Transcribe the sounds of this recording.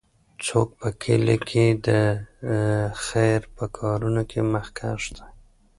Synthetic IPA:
t͡sok̚pəkʰḛlekʰed̪ə | xajɾpəkʰɑɾunokʰeməxkʰa̰ʃt̪ḁ

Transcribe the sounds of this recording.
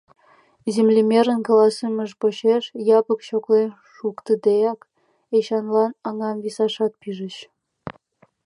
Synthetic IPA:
zemlʲimʲeɾə̆nkɑlɑsəmə̆ʃpoɕeʃjɑpə̆kɕoklen | ʃukt̪əd̪ejɑk | eɕɑnlɑnɑŋɑmvisɑʃɑt̪̚piʒə̆t͡ɕ

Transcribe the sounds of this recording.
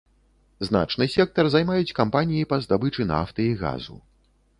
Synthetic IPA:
zn̪a̰t͡ʂnɨsʲɛk̚t̪ɐrzajmajut͡sʲkampanʲijipɐzd̪abɨt͡ʂɨna̰ft̪ɐiɣa̰zṵ

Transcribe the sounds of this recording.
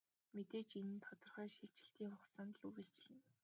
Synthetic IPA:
met̪eːt͡ɕinɘ̆nt̪ʰɔt̪ɞ̆rχœːʃiɮt͡ɕɪ̥̆ɬt̪iːŋχʊχsaːnt̪ə̆ɮuɣɘ̆ɬt͡ɕɪ̆ɮɘ̆n

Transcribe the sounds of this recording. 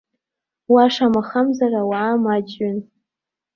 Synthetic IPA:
waʂamaχamzarawaːmad͡ʒɥɪn

